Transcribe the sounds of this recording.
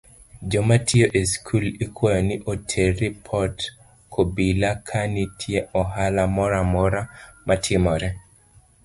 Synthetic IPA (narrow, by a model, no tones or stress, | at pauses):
d͡ʒɔmatʰɪjoʔeskʰulikwɔjɔnɪʔotʰeɾipʰɔt | kʰobilakʰanitʰjeɔɦalamɔɾamɔɾamatʰɪmɔɾɛ